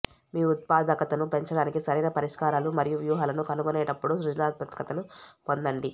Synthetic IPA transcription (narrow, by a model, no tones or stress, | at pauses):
miːt̪̚paːd̪ɐkɐt̪ɐnupe̞ɲt͡ʃɐɽaːnikisɐɾɐjnɐpɐɾiʂkaːɾaːlumɐɾijuʋjuːɦaːlɐnukɐnuɡonɛːʈɐpːuɽusɾud͡ʒɐnaːt̪̚bɐt̪kɐt̪ɐnupo̞nd̪ɐɳɖi